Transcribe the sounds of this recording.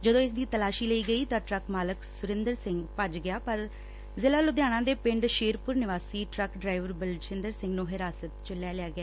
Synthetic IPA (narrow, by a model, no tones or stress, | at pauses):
d͡ʒəd̪õːɪs̬d̪iːt̪əlaːʃiːləiːɡəiːt̪ãːʈɾəkmaːləksʊɾɪ̃nd̪əɾsɪ̃ŋɡpəd͡ʒɡɪjaːpəɾ | zɪlaːlʊd̪jaːɽ̃ãːd̪eːpɪ̃ɳɖʃeːɾpʊɾnɪʋaːsiːʈɾəkɖɾaːɪʋəɾbəlt͡ʃɪ̃nd̪əɾsɪ̃ŋɡnũːɦɪɾaːsət̪t͡ʃəlːjaːlɪaːɡɪjaː